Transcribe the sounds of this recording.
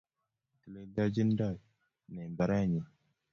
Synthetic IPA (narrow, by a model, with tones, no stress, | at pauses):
ti˨le˦da˦d͡ʒi˦n˦da˦˨ | ne˨ba˨ɾa˦˨ɲi˨